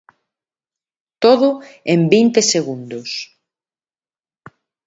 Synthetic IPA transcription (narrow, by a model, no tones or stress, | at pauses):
t̪oðʊembint̪eseɣund̪ʊs